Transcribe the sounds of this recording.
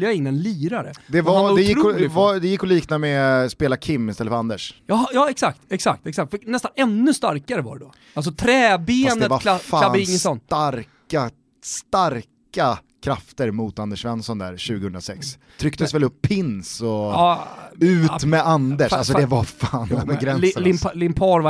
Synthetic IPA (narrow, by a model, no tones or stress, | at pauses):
jaɪŋːɛnlyːɾaɾə̰d̪ɛvad̪ɛjɪɾkːvad̪ɛjɪkːɔliːknamɛspeːlakʰɪmːɪst̪ɛlːəfœəɾand̪əʂjɑjɑːɛksak̚t̪ɛksak̚t̪ɛksak̚t̪fœnɛst̪anɛnːɵst̪a̰ɾkaɾəva̰ɛd̪ɔ | als̬ɔt̪ʰɾɛːbeːnətvakʰlafaaɪŋːəsɔnːaɾka | st̪aɾk | akʰɾaft̪əɾmʊt̪and̪əʂvɛnsɔnd̪æ̰ɾɕʉ̟ːɡəhɵnd̪ɾasɛks | t̪ʰɾʏk̚t̪əsvɛlɵpʰːɪnsɔ | ʉ̟ːt̪mɛand̪əʂals̬ɔd̪ɛvafaːnabɛɡɾɛnɪlɪmpʰɑːɾva